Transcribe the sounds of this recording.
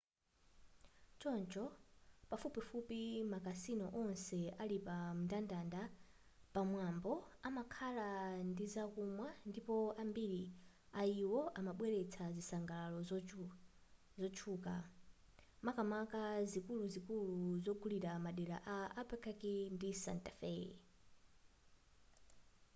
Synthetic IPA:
t͡ʃɔnt͡ʃɔpafupifupimakasinɔʔɔnsɛalipamuntandanda | pamwambɔamakʰalandizakumwandipɔambiɾi | aiwɔʔamaɓwɛɾɛt͡sʰazisaŋɡalalɔz | zɔt͡ʃʰuːka | makamakazikuluzikuluzɔɡuliɾamaɗɛɾa̰ʔaːpɛkʰakindisa̰ntafɛ

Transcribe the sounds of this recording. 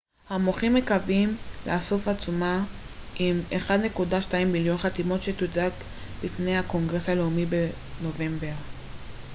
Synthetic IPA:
hamoχimːekavimleaso̞fat͡suma | imeχad̪ne̞kudaʃtaimbiljo̞nχat̪imo̞tʃe̞t̪udak | bifne̞jhako̞ŋɡʁe̞shale̞umibe | no̞ve̞mbeʁ

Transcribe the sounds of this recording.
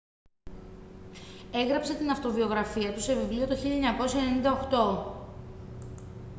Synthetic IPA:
e̞ɣɾɐpse̞t̪inɐft̪o̞vio̞ɣɾɐfiɐt̪use̞vivlio̞t̪oçiʎɐeɲɐko̞siɐenenind̪ɐoxt̪o̞

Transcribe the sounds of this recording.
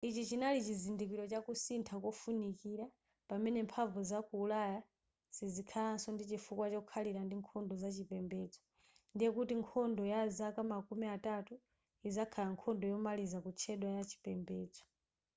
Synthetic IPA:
it͡ʃit͡ʃinalit͡ʃizindikiɾɔt͡ʃakusintʰakɔfunikiɾa | pamɛnɛmpʰaɱvuzakuːlaja | zizikʰalansɔndit͡ʃifukwat͡ʃɔukʰaliɾandiŋkʰɔndɔzat͡ʃipɛmbɛd͡zɔ̥ | ndijɛkutiŋkʰɔndɔjazakamakumiatatu | izakʰalaŋkʰɔndɔjɔmalizakut͡ʃʰɛɗwajat͡ʃi̥pɛmbɛːd͡zɔ̥

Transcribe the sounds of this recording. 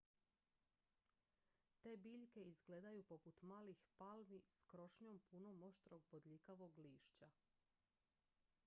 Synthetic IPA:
t̪e̞ːbiːʎke̞izɡleːd̪ajupo̞put̪maːlixpalmiskɾo̞ʃɲompunomo̞ʃt̪ɾoɡ̚bod̪ʎikaʋoɡliːʃt͡ɕa

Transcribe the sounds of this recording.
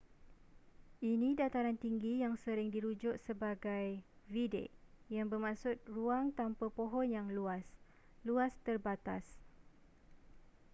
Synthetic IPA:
ʔinĩdat̪aɾant̪iŋɡijaŋsəɾɪŋdiɾud͡ʒʊʔ̚səbaɡaj | vidḛʔjaŋbəmãsʊt̪̚ruaŋt̪ampəpoɦɔnjaŋluas | luast̪ərbat̪as

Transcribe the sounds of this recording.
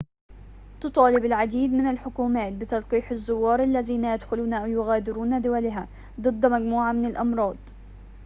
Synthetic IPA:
t̪ʊt̪ˤɑːlɪbɪlʕad̪iːd̪mɪnɪlħʊkuːmaːt̪̚bɪt̪ɑlqiːħɪzːʊwːɑːɾˤʔalːaziːnajad̪xʊluːnaʔawjʊɣaːd̪ɪɾuːnad̪ʊwalɪɦa | d̪ˤɨd̪ːmaɡmuːʕamɪnɪlʔɑmɾˤɑːd̪ˤ

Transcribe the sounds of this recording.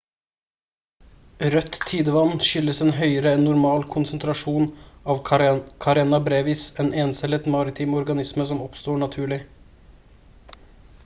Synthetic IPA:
ɾœt̪ʰːiːd̪əʋɑnnʃʏlːəsɛːnɦœʏəɾəɛnːʊɾmɑːlkʰʊnsənt̪ʰɾɑʂuːnɑːʋkʰɑɾeːnɑbɾeːʋiːseːneːnsɛlət̪mɑːɾɪt̪ʰɪːmɔɾɡɑnɪsməsɔmɔpst̪oːɳɑt̪ʰʉːɭɪ

